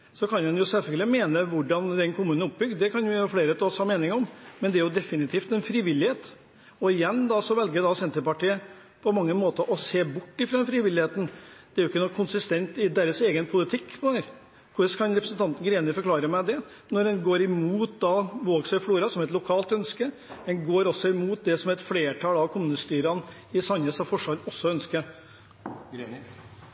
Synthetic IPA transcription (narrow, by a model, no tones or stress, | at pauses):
sɔkʰɑnjɛnjʊsɛlfœɡlɪmeːnəʋʊɖɑnd̪ɛnkʰʊmʉːnnɔp̚ːbʏɡd̪ɛkʰɑnjʊjøːɾəfleːɾət̪ʰɔt̪ɑmeːnɪŋɔmmɛnd̪ɛæɾjʊd̪ɛfɪnɪt̪ʰiːft̪ɛnfɾiːʋɪlːɪheːt̪ | ɔɪjɛnːd̪ɑsɔʋɛlɡəd̪ɑsɛnt̪əɾpɑʈiːə | pʰɔmɑŋːəmoːt̪əɾʔɔseːbʊʈːɪfɾɑd̪ɛnfɾiːʋɪlːɪheːt̪ən̩d̪ɛæɾʊɪkːənɔkʰʊnsɪst̪ɛnt̪ɪd̪eːɾəseːɡənpʰʊlɪt̪ʰɪkːpʰɔæɾ | kʰʊɾskʰɑnɾɛpɾəsnt̪ʰɑnt̪n̩ɡɾeːnɪfɔɾkʰlɑːɾəmæɪd̪ɛ | nɔɾɛnɡoːɾɪmuːt̪̚d̪ɑʋoːɡsœfluːɾɑsɔmɛt̪lʊkʰɑːlt̪œnskə | ɛnɡoːɾɔsːɔɪmuːt̪̚d̪ɛsɔmɛt̪fleːʈʰɑːlɑʋkʰʊmʉːnəst̪yːɾɑn | ɪsɑnəsɔfɔʂʋɑnɔsːɔœnskə